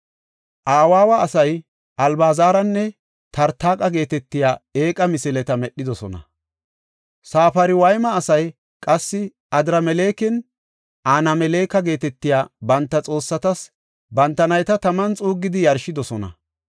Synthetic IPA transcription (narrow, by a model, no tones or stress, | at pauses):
ʔaːwaːwɐːsɐj | ʔɐlbaːzaːɾɐnːɛ | t̪ɐɾt̪ːaːkʼɐɡe̞ːt̪ɛt̪ːɪjaːe̞ːkʼɐmɪsɪlɛt̪ɐmɛɗːɪd̪ɔsɔnɐ̰ | saːfɐɾɪwɐjmɐːsɐj | kʼɐsːɪ | ɐd̪ɪɾɐmɛle̞ːkɛn | ʔaːnɐmɛle̞ːkɐɡe̞ːt̪ɛt̪ːɪjaːbɐnt̪ːɐt͡sʼo̞ːsːɐt̪ɐs | bɐnt̪ːɐnɐjt̪ɐt̪ɐmɐnt͡sʼuːɡːɪd̪ɪjɐɾʃɪd̪ɔsɔnɐ̰